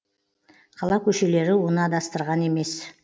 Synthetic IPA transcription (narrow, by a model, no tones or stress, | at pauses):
qʰɑlˠɑkʲʰɵʃe̞le̞ɾɪwonəɑd̪ɑst̪əɾʁɑne̞me̞s